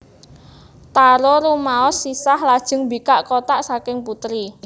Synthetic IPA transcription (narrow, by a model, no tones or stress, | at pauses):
t̪aɾoɾumaɔsːisahlad̥ʒ̥ə̤ŋbikaʔkot̪aʔsakɪŋput̪ɾi